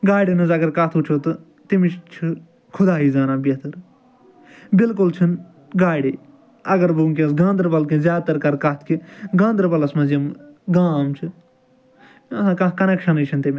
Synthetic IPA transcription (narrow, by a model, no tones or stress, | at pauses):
ɡaːɽinɐzɐɡɐɾkɐt̪ʰut͡ʃʰoːt̪ɨ | t̪imɪt͡ʃʰt͡ʃʰɨ | kʰʊd̪aːɦiːzaːnaːbɐt̪ʰɐɾ | bɪlkʊlt͡ʃʰɐn | ɡaːɽeː | ɐɡəɾbuŋk̬ɐ̃sɡãːnd̪ɾbɐlkẽzʲjaːt̪ɐɾkɐɾkɐt̪ʰkʰiɡãːnd̪ɾbɐlɐsmɐzijɐmɡaːmt͡ʃʰɨ | kɐkɐnɛkʃɐnet͡ʃʰɐnt̪im